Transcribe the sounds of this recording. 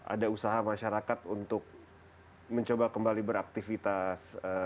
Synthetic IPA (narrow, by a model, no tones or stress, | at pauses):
ʔa̰dausaɦamaʃaɾakat̪unt̪ʊk̚ | məɲt͡ʃobakəmbalibəɾak̚t̪ifit̪asə